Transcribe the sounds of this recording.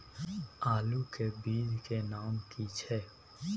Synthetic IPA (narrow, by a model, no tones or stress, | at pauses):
aːlukebiːd̪ʱkenaːmkit͡ʃʰɛː